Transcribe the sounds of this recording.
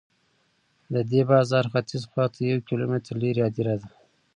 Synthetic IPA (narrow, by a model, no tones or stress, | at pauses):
d̪əd̪ebɑːzɑɾxat̪izxɑt̪ʰajawkilometɾleɾjɑd̪iɾad̪a